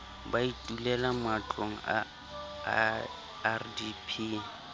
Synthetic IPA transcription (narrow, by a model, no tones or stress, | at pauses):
baitʼulɛlamʊat͡ɬʼoŋ̩a̰ | rdipʰiː